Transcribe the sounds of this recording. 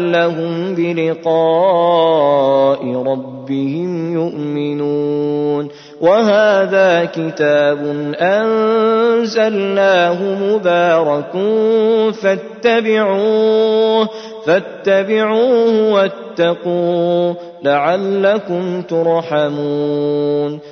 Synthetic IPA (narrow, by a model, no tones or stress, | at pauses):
lːaɦʊmbɪlɪqɑː | ʔɪɾˤɑbːɪhɪmjʊʔmɪnuːn | waɦaːðaːkɪt̪aːbʊnʔan | zalnaːɦʊmʊbaːɾˤɑkʊnnfat̪ːabɪʕuːh | fat̪ːabɪʕuːhʊwat̪ːɑquː | laʕalːakʊmt̪ʊɾˤħamuːn